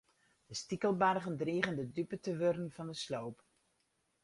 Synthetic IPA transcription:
d̥əstikəlˠbarɣəndriːɣəndədypətəʋørən̩vɑndəslowp

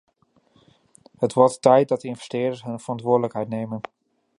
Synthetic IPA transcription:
ɦətʋɔɹttɛjt̚dɑt̚dəɪnvɛ̥stɪːdəsɦɵnvərɑntʋʊːɹdələkɦɛjtnejmən

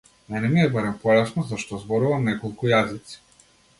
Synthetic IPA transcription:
mɛnɛmiɛbaɾɛmpɔlɛsnɔzaʃt̪ɔzbɔɾuvamnɛkɔlˠkujazit̪si̥

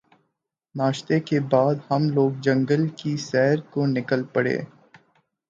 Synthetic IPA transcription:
naːʃt̪ekebaːd̪hɐmloːɡ̚d͡ʒɐ̃ŋɡəlkisɛɦɾkonɪkəlpɐɽḛː

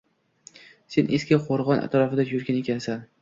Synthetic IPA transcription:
se̞nʔeskʲaqʰoɾʁɒnʔa̰t̪ɾɒfɪd̪ajʊɾɡʲane̞kʲansan

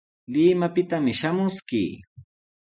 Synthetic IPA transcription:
lɪmapɪt̪amɪʃamʊskḭː

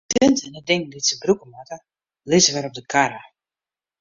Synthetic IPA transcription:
tøntɛnədɪŋditsəbrukəmatə | lɪzəʋɛɾɔp̚dəkʰaɾə

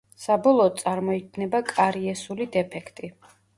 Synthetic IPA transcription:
sabɔlˠɔːt̪̚sʼaɾmɔiɡ̚ʰnɛbakʼaɾiɛsulid̪ɛpʰɛkʰt̪ʼi

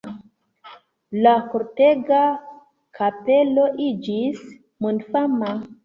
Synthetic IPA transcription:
lakoɾte̞ɡa | kʰapelo̞ʔid͡ʒis | mundfama

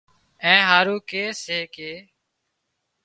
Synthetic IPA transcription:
ɛ̃ːɦaːɾuːkeːseːkeː

